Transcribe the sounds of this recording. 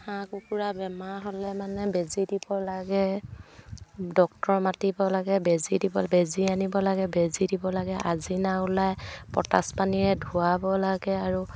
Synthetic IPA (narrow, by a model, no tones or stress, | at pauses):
hãkukuɹabɛmaɦolɛmanɛbezidibɔlaɡɛ | dɔk̚tɔɹmatibɔlaɡɛbezidibɔbezianibɔlaɡɛbezidibɔlaɡɛʔazinaʊlajpɔ̰ta̰spaniɹɛdʱuabɔlaɡɛaɹu